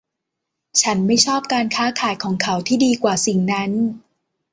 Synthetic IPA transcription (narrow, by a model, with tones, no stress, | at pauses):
t͡ɕʰa˦˥nma˥˩jt͡ɕʰɔː˥˩p̚kaː˧nkʰaː˦˥kʰaː˩˦jkʰɔː˩˦ŋkʰa˩˦˥wt̪ʰiː˥˩diː˧kwaː˨˩si˨˩ŋna˦˥n